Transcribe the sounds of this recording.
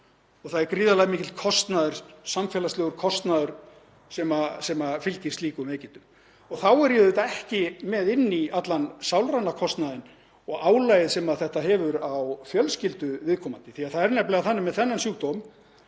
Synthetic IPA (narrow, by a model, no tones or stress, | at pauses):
ɔɣθaðɛɾkɾiːðalaɣmiːcɪlkʰɔst̪naðʏɾ̥samfɛːlast̪lœːɣʏɾ̥kʰɔst̪naðʏɾ̥ | sɛmasɛmafɪlcɪ̥st̪liːkʏmeːjcɪnt̪ʏm | ɔɣθawɛɾjɛðʏt̪aɛhcɪmɛðɪnːiat̪lansawlɾawnːakʰɔst̪naðɪn | ɔɣaːwlaːjɪðsɛmaðθɛht̪aɦɛvʏɾawfjœlscɪlt̪ʏvɪðkʰɔːmant̪ɪ̥θiaðθaðɛɾnɛplɛɣaθanːɪmːɛðθɛnːansuːk̚t̪om